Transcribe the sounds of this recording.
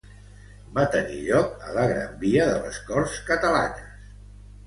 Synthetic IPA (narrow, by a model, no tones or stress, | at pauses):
bat̪ənḭʎɔkələɣɾa̰mbiəðələ̰skɔrskət̪əla̰nəs